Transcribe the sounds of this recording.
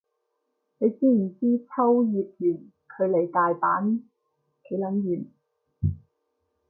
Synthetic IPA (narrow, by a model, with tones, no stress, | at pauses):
ne˨˧jsiː˥mi˨˩t͡siː˥t͡sʰɐ˥wjiː˨p̚jyː˨˩n | kʰɵ˨˧ɥle˨˩jt̪aː˨jpaː˨˥n | ke˨˥jlɐ˨˥njyː˨˩n